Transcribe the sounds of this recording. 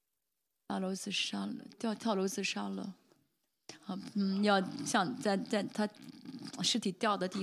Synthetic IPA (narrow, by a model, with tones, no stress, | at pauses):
a˥˩lo˧˥ʊt͡sɹ̩˥˩ʂa˥lə̰˧t̪jɑ˥˧ʊt̪ʰjɑ˥˩ʊlo˧˥ʊt͡sɹ̩˥˩ʂa˥lə̰˨˩˥ | n̩˥˩jɑ˥˧ʊɕjɑ˥˧ŋt͡sa˥˧ɪt͡sa˥˩ɪt̪ʰa˥ | ʂɻ̩˥˩t̪ʰi˨˩t̪jɑ˥˩ʊd̪ə˩t̪i˥˩